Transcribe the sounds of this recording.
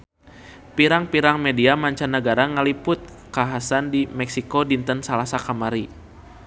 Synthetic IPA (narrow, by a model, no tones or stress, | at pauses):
piɾaŋpiɾaŋmɛdiamaɲt͡ʃanːəɡaɾaŋalipʊt̪̚ | kaɦasandimɛksikodint̪ənsalasakamaɾi